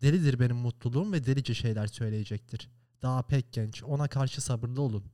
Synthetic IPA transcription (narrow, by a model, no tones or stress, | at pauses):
d̪̥elʲid̪iɾbe̞nimːut̪lˠulˠuːumvɛd̪elʲid͡ʒɛʃe̞jlʲæɾsø̞jlʲe̞je̞d͡ʒɛc̚t̪ʰiɾ̥ | d̪̥aːapʰɛc̚ɟɛnt͡ʃo̞nakʰaɾʃɯsabɯɾlˠɯo̞lˠun